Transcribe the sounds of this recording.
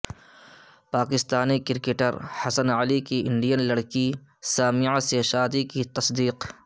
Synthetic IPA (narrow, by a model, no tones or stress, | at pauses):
paːkɪst̪aːnikɪɾkeːʈəɾhɐsənəlikiʔɪ̃ɳɖijənlɐɽkisaːmiaseʃaːd̪ikit̪ɐsd̪iːq